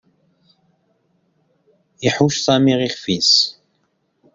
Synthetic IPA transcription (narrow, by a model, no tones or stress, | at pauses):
iħuʃsˤɑmiʁiχfis